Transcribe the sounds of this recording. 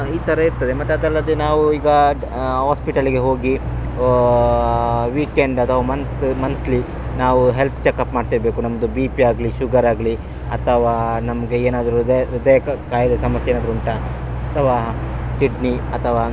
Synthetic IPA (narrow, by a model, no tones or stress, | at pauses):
iːt̪ʰɐɾɐiɾt̪ɐd̪e̞mɐt̪ːeɐd̪ɐlːɐd̪enaːʋuiːɡɐ | ɦaːspiʈɐliɡe̞ɦo̞ːɡi | ʋiːkeɳɖɐt̪ʰɐʋaːmɐnt̪mɐnt̪ʰli | naːʋuɦe̞lp̪ʰt͡ʃekːɐpmaːɖt̪iɾɐbe̞ːkunɐmɐd̪ubiːpiaːɡliʃuɡɐɾaːɡli | ɐt̪ʰɐʋaːnɐmɐɡe̞eːnaːd̪ɐɾud̪d̪ejɐkaːjɐd̪ɐsɐmɐsjeːnaːd̪ɐɾuɳʈɐ | ɐt̪ʰɐʋaːsiɖniɐt̪ʰɐʋaː